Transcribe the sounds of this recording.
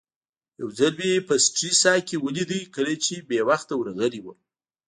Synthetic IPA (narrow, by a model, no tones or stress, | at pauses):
jawzalbeepəsʈɾisɑjkewəlid̪əjkəlat͡ʃebewaxt̪awɾaɣəliwə